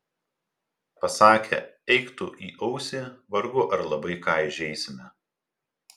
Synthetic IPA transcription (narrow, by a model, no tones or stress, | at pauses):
pɐsɑːkʲʰɛ̰ɛɪkt̪ʊʔḭːʔɐʊsʲeʋɐɾɡʊʔɐɾlˠɐbɐɪkɑːɪɪʒʲɛɪsʲɪmʲɛ